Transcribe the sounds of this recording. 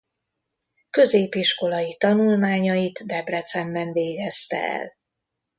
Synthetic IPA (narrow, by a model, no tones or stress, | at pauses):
kø̞zeːpiʃko̞lɒjit̪ɒnulmaːɲɒjit̪d̪ɛbrɛt̪sɛmbɛɱveːɡɛst̪ɛ̰ɛ̰l